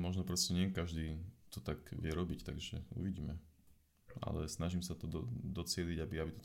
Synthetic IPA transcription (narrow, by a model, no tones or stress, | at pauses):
mɔʒnɔpɾɔscɛɲɪɛkaʒd̪iːt̪ɔt̪akʋɪɛɾɔbict̪a̰ɡʒɛ̰ṵʋiɟiːmɛ | a̰lɛ̰snaʒimsat̪ɔd̪ɔd̪ɔt͡sɪɛliɟabiabit̪ɔ̥t̪